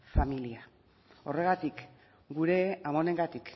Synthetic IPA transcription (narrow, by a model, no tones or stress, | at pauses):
familia | o̞re̞ɣ̞at̪ik | ɡuɾe̞amo̞ne̞ŋɡat̪ik